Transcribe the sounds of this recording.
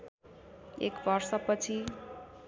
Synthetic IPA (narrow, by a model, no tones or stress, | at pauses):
ḛkʋʌɾsʌpʌt͡sʰi